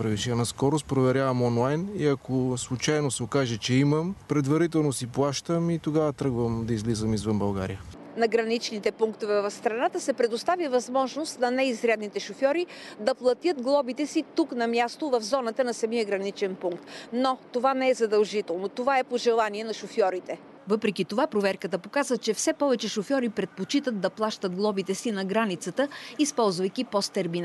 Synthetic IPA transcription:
pɾɛviʃɛɐnɐskɔɾʊspɾovɛɾʲjavɐmɔnlˠajniɐkʰoslˠut͡ʃajnosɛokaʒɛt͡ʃɛiməmpɾɛd̪vɐɾit̪̬ɛlˠnosiplˠaʃt̪əmit̪oɡavət̪ɾɤɡvəmd̪ɐizlizəmizvənbɐlˠɡa̰ɾḭjə | nɐɡɾɐnit͡ʃnit̪ɛpuŋkt̪ovɛvɐfst̪ɾɐnat̪əsɛpɾɛd̪ost̪avivɐzmɔʒnost̪nɐnɛizɾɛd̪nit̪ɛʃofjɔɾid̪ɐplˠɐt̪jət̪ɡlˠɔbit̪ɛsit̪uknɐmʲjast̪ovɐfzɔnət̪ənɐsɐmiəɡɾɐnit͡ʃɛnpuŋkt̪not̪ovanɛɛzɐd̪ɐlˠʒit̪ɛlˠnot̪ovaɛpoʒɛlˠaniɛnɐʃofjɔɾit̪ɛ | vɤpɾɛkit̪ovapɾovɛɾkət̪əpokazət͡ʃɛfsɛpɔvɛt͡ʃɛʃofjɔɾipɾɛt̪̚pot͡ʃit̪ət̪̚d̪ɐplˠaʃt̪əd̪̚ɡlˠɔbit̪ɛsinɐɡɾanit̪sət̪əispɔlˠzvəjkipɔst̪ɛɾmin

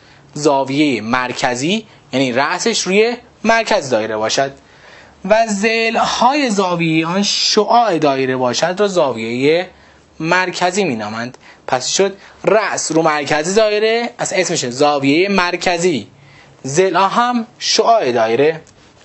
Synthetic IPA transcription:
zɒːvije̞jemæɾcʰæziː | jæniːɾæʔse̞ʃɾuːje̞ | mæɾcʰæzd̪ɒːjeɾebɒːʃæd̪̥̚ | væzelhɒːje̞zɒːvijeeɒːnʃoʔɒːʔed̪ɒːjeɾebɒːʃæd̪ɾɔːzɒːvijeje | mæɾcʰæziːmiːnɒːmænd̪̥pʰæsʃod̪ræʔsɾuːmæɾcʰæzizɒːjeɾeæsesmeʃezɒːvijejemæɾcʰæziː | zelɒːɦæmʃoʔɒːʔed̪ɒːjeɾe

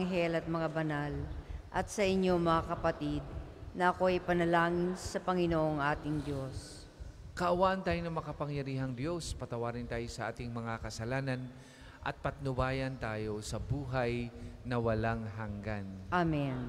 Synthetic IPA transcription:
ŋɦɛlɐt̪̚mɐŋabɐnalʔɐt̪̚sɐʔɪɲːo̞mɐŋakɐpɐt̪id̪̚ | nɐʔɐko̞ɐjpɐnɐlaːŋɪnsɐpɐŋɪnoʔoŋʔaːt̪ɪŋd̪jos | kɐʔɐwaːʔɐnt̪aːjonɐmɐkɐpɐŋjɐɾiːɦɐŋd̪jo̞spɐt̪ɐwaːɾɪnt̪aːjosɐʔaːt̪ɪŋmɐŋakɐsɐlaːnɐn | ʔɐ̰t̪̚pɐt̪̚nʊbaːjɐnt̪aːjo̞sɐbuːɦajnɐwɐlaŋɦaŋɡanʔamɛn

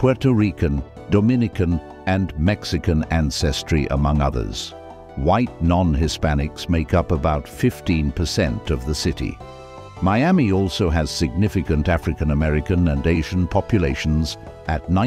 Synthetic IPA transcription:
pʰw̥ɛɹtəɹikɨ̃n | dɨmɪ̃nɨkɨ̃n | ɨ̃nmɛksɨkɨ̃næ̃nsɛstɹ̥iʔə̰mʌ̃ŋʌðə̰˞z̥ | waɪt̚ⁿnɑ̃nɦɪspænɨksmeɪkʌpəbaʊtfɪftĩnpʰə˞sɛ̃ntʌvðəsɪɾḭ | maɪæmiɔlˠsoʊɨz̥sɨɡ̚nɪfɨkɨ̃ntæfɹɨkɨ̃nəmɛɹɨkɨ̃nɨ̃neɪʒɨ̃n̩pʰɑpjɨleɪʃn̩z | ɨtⁿnãɪ̃

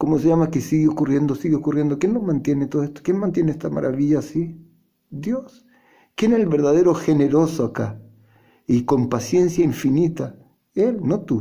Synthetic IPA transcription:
ko̞moseʝamakesiɣeokurje̞nd̪osiɣeokurje̞nd̪okjenlomãnt̪je̞net̪oest̪okjenmãnt̪jeneest̪ama̰ɾʔa̰βiʎaːsi | d̪jo̞s | kjeneselβe̞ɾðaðe̞ɾo̞xe̞neɾo̞soaka | iko̞mpasje̞nsjaiɱfinit̪a | elno̞t̪u

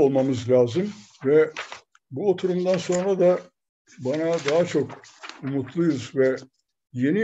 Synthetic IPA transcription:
olˠmamɯzlʲaːzɯm | vɛ | buo̞t̪ʰuɾumd̪anso̞nɾad̪a | banad̪aɦat͡ʃʰo̞kumut̪ʰlˠujuzvɛ | je̞ni

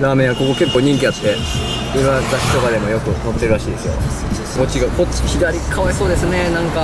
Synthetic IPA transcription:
ɾaːmẽ̞ɰ̃ako̞ko̞ke̞kːoːɲ̟ĩŋkʲiat̪t̪ːe̞ | iɾoat̪akʲi̥t̪o̞kad̪e̞mo̞jo̞kɯ̟t̪õnt̪ːe̞ɾɯɾaɕiːd̪e̞sɨjo̞̰ | ot͡ɕiɡakoi̥çid̪aɾʲikʰaβaiso̞ːd̪e̞sɨne̞nãŋka

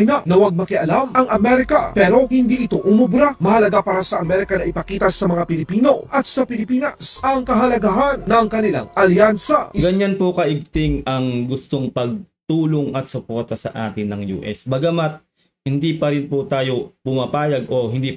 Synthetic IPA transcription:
naʔnɐwaɡ̚mɐkɪʔɐlamʔɐŋʔɐmɛɾɪka̰pɛːɾo̞hɪnd̪iʔɪt̪o̞ʔʊmʊbɾamɐhɐlɐɡapaːɾasɐʔɐmɛɾɪkɐnɐʔɪpɐkiːt̪ɐsɐmɐŋapɪlɪpiːno̞ʔɐt̪̚sɐpɪlɪpiːnɐsʔɐŋkɐɦɐlɐɡaɦanːɐŋkɐnɪla̰ŋʔɐljansɐ̰ɡɐɲanpokɐʔɪɡ̚t̪ɪŋɐŋɡʊst̪oŋpɐɡ̚t̪uːloŋɐt̪̚sʊpoɾt̪ɐsɐ̰ʔaːt̪ɪnːɐŋjṵːʔɛsbɐɡɐmat̪̚ | hɪnd̪ipɐɾɪnpot̪aːjo̞pʊmapaːjɐɡʔohɪnd̪i

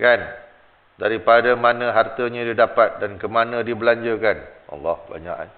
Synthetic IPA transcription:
kan | daɾipadamanə̃ɦart̪əɲə̃didapat̪̚dankəmanə̃dibəlaɲd͡ʒəkanʔa̰lːɔhba̰ɲa̰ʔa

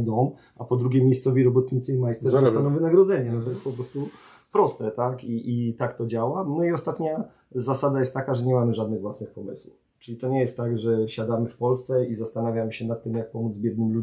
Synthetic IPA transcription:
d̪ɔm | ʔapɔd̪ɾuɡʲjɛmʲjejst̪sɔvʲiɾɔbɔt̪ɲit̪sɘimajst̪ɛasanɔ̃vɘnaɡɾɔd̪zɛɲɛnɔt̪ɔjɛspɔpɾɔst̪u | pɾɔst̪ɛt̪akiʔit̪akt̪ɔd͡ʑawanɔiɔst̪at̪ɲa | zasad̪ajɛst̪ːakaʐɛɲɛmamɘʐad̪nɘɣvwasnɘxpɔmɘswṵ | t͡ʂɘlʲit̪ɔɲɛjɛst̪ːaɡʐɛɕad̪amɘfpɔlst̪sɛizast̪anavʲjamɘɕɛnat̪ːɘmjak̚pɔmud̪zbʲjɛd̪nɘmlu

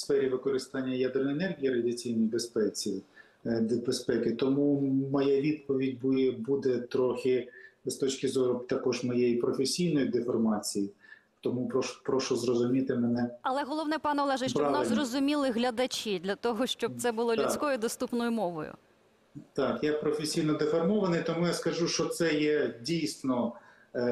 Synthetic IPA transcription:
sfɛɾʲiʋɪkɔɾɪst̪ɑnʲːɐjad̪ɪrnɔjɛnɛrɣʲijiɾɐdʲiɐt͡sʲijnjbespɛt͡sʲi | bespɛkɪt̪ɔmumɔjaʋʲid̪̚pɔʋʲidʲbujɛbud̪ɛt̪ɾɔxʲɪzt̪ɔt͡ʃkʲɪzɔɾʊt̪ɐkɔʒmɔjejipɾɔfesʲijnɔjid̪ɪfɔrmɑt͡sʲiji | t̪ɔmupɾɔʃpɾɔʃɔzrɔzʊmʲit̪ɪmɛnɛɐlˠɛɦɔlˠɔʋnɛpɑnɛɔlˠɛʒɛʃt͡ʃɔnɑzrɔzʊmʲilˠɪɦlʲɐd̪ɐt͡ʃid̪ʲlʲɐt̪ɔɦɔʃt͡ʃɔb̚t̪sɛbʊlˠɔlʉsʲkɔjʊd̪ɔst̪upnɔjʊmɔʋɔ̰jʊ̰ | t̪ɑkjapɾɔfʲesʲijnɔd̪efɔrmɔʋɐnɪjt̪ɔmujaskɐʒuʃt͡ʃɔt̪sɛjɛdʲijsʲnɔ

